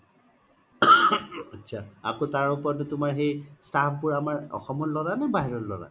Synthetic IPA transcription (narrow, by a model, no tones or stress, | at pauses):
atːsʰaakotaɹupɔɹɔtʊtʊmaɹɦejstʰapʰbʊɹamaɹɔ̰xɔmɔtlɔɹanabaɦiɹɔtlɔ̰ɹa̰